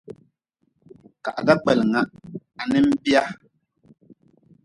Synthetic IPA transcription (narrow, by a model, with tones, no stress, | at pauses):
ka̰˨ʔda˦k͡pɛ˨lŋa˦ʔa˨nɛ˦m̩˦bi˦a˦